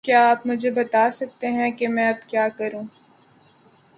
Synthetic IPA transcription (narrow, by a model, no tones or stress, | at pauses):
kjaːaːpmʊd͡ʒʱebɐt̪aːsɐk̚t̪eɦɛ̃kemɛ̃ɐbkjaːkɐɾũː